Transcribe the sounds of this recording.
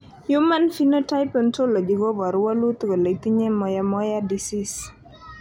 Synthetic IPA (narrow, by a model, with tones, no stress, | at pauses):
ju˦ma˦nfi˦no˦ta˦jpɔ˦nto˦lo˨d͡ʒi˨ɡo˦bɔ˨ɾwa˦lu˦t̪ko˨le˨t̪i˦ɲe˦mɔ˨ja˦mɔ˦ja˦di˨si˦s